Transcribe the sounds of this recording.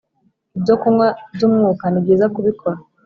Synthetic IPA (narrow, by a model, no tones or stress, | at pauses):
ibɟokuŋwabɟumŋuːkaniɡizakuβikʰoɾa